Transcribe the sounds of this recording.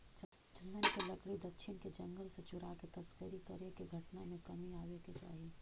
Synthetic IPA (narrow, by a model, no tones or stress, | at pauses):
t͡ʃ | t͡ʃənːənkelɐkɽid̪ɐkʃʰɪnked͡ʒɐ̃ŋɡəlset͡ʃʊɾaket̪ɐskəɾikɐɾekeɡʱɐʈnamẽkɐmiaːʋeːket͡ʃa̰ːɦi